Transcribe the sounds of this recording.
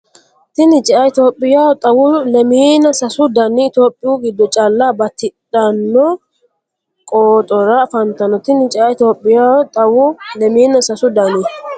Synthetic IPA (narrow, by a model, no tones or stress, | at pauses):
t̪ɪnɪt͡ʃʼɪaɪt̪oːpʼːɪjaːwɔt̪ʼɐwʊlɛmiːnɐsɐsʊd̪ɐnɪɪt̪oːpʼːɪjuɡɪd̪ːɔt͡ʃʼalːabɐt̪ɪɗɐnːɔ | kʼoːt̪ʼɔɾɐfɐnt̪ɐnɔt̪ɪnɪt͡ʃʼɪaɪt̪oːpʼːɪjawɔt̪ʼɐwʊlɛmiːnɐsɐsʊd̪ɐni